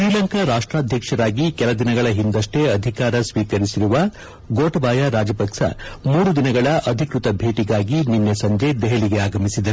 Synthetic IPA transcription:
ʃɾiːlɐŋkaɾaːʂʈɾaːd̪ʱjɐkʂɐɾaːɡikɛlɐd̪inɐɡɐɭɐɦind̪ɐʂʈe̞ɐd̪ʱikaːɾɐsʋiːkɐɾisiɾuʋɐ | ɡoːʈɐbaːjɐɾaːd͡ʒɐpɐkʂɐ̰muːɾud̪inɐɡɐɭɐʔɐd̪ʱikɾut̪ɐbʱe̞ːʈiɡaːɡininːesɐɲd͡ʒed̪ɛɦeliɡeaːɡɐmisid̪ɐɾ

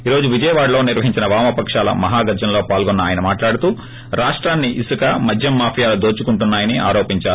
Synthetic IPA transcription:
iːɾo̞ːd͡ʒuʋid͡ʒɐjɐʋaːɽɐlo̞ːniɾʋɐɦiɲt͡ʃinɐʋaːmɐpɐkʂaːlɐ̰mɐɦaːɡɐɾd͡ʒɐnlo̞ːpaːlɡɔnːɐaːjɐnɐmaːʈlaːɽut̪uː | ɾaːʂʈɾaːnːiʔisukɐmɐd̪ʱjɐmːaːpʰijaːlud̪oːt͡ʃukuɳʈunːaːjɐnia̰ːɾo̞ːpiɲt͡ʃaːu

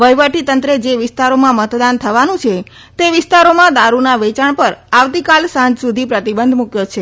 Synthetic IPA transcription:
ʋəjʋəʈit̪ənt̪ɾəd͡ʒeʋɪst̪aɾomãmət̪d̪ant̪ʰəʋanũt͡ʃʰe | t̪eʋɪst̪aɾomãd̪aɾunaʋet͡ʃaɳpəɾaʋt̪ikalsãd͡ʒsud̪ʱipɾət̪ibənd̪ʱmukjot͡ʃʰe

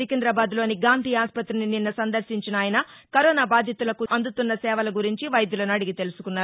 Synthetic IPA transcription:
ikend̪ɾɐbaːd̪lo̞ːniɡaːnt̪iːjaːspɐt̪ɾinininːɐsɐnd̪ɐɾʃiɲt͡ʃinaːjɐnɐ | kɐɾɔːnaːbaːd̪ʱjɐt̪ulɐkuʔɐnd̪ut̪unːɐsɛːʋɐlɐɡuɾiɲt͡ʃiʋɐjɐd̪julɐnɐɽiɡit̪e̞lusu̥kunːaːɾu

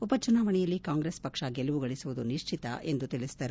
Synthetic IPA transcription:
upɐt͡ʃunaːʋɐɳɛjɐlːikaːŋɡɾeːspɐkʂɐɡeluʋuɡɐɭisuʋud̪uniʂt͡ʃʰit̪ɐ̰ʔe̞nd̪ut̪iɭisd̪ɐɾ

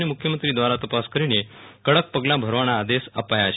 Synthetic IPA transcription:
nemukʰjəmənt̪ɾiːd̪ʋaɾat̪əpaskəɾinekəɽək̚pəɡlabʱəɾʋañaːd̪esəpajat͡ɕʰ

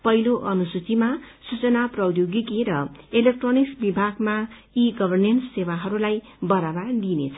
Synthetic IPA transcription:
pʌɦiloʔʌnusut͡simasut͡sʌnaprʌwjoɡikeɾʌelek̚ʈroniksbibʱaɡma | iɡʌbʱʌrnensːewaɦʌɾulaj | bʌɾabard̪inḛt͡sʰʌ̥

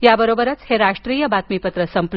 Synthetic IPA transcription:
jabəɾobəɾət͡sheɾaʂʈɾiːjəbat̪mipət̪ɾəsəmpl

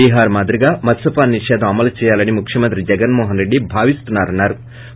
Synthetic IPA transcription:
iːɦaːɾmaːd̪ɾiɡaːmɐsɐpaːnːiʂɛːd̪ʱɐmɐmɐlɐt͡ʃɛːjaːlɐnimukʰjɐmɐnt̪ɾid͡ʒɛɡɐnmɔːɦɐnɾe̞ɖːibʱaːʋist̪unːaːɾɐnːaːɾu

